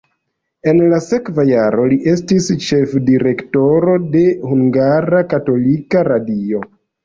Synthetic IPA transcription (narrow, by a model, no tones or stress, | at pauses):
e̞nlase̞kvajaɾo̞liʔe̞stist͡ʃe̞fdiɾe̞kto̞ɾo̞de̞huŋɡaɾakato̞likaɾadio̞